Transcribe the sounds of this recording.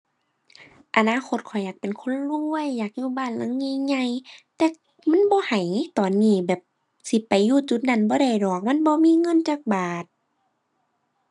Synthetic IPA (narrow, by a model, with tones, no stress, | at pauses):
ʔa˨˧˨naː˧˨kʰo˧˥t̪̚kʰɔ˨˩jːaː˨˩k̚pe˨nkʰo˧˥˨nlu˧əjːaː˨˩k̚juː˧˨baː˧˥˨nla˧˥˨ŋɲeː˧˨ɲa˧˨jt̪ɛː˧ | ma˧˥˨nbɔː˧˦ha˨˩jt̪ɔː˨nːiː˧˩bɛː˨˩p̚ | si˧˦pa˨˩jːuː˧˨t͡ɕu˧˦t̪̚na˧˩˨nbɔː˧˦da˧˩jdɔː˨˩k̚ma˧˥˨nbɔː˧˦miː˧˥˨ŋɤ˧˥˨nt͡ɕaː˧˩k̚baː˨˩t̪̚